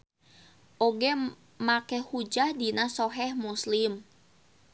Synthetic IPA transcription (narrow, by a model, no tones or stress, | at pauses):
ʔoɡɛ | makɛhud͡ʒahdinasoɦɛhmuslim